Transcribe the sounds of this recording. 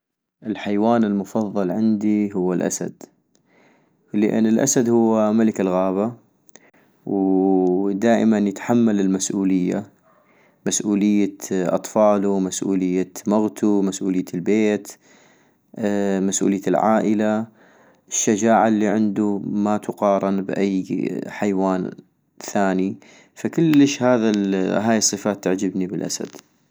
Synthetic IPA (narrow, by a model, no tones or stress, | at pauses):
ʔɪlħajwaːnɪlmʊfɑðˤːɑlʕɪnd̪iɦʊwːalʔa̰sa̰d̪̥ | lɪʔɪ̰nːɪlʔa̰sad̪hʊwːamalɪkɪlɣaːβa | w | d̪aːʔɪmanjɪt̪ħamːalɪlmasʔuːlɪjːa̰ | masʔuːlɪjːaʔɑ̰t̪ˤfɑːlumasʔṵːlɪjːamaɣt̪ʰumasʔuːlɪjːalbeːt̪ | masʔṵlɪjːalʕa̰ːʔəla | ʔɪʃːad͡ʒaːʕalːiːʕɪnd̪umat̪ʰʊqɑːɾˤɪnbʔajːħajwaːn | θaːni | fakɪlːəʃhaːðaɦaːjɨsˤːɨfaːt̪ːaʕd͡ʒɪbnibəlʔa̰sa̰d̪̥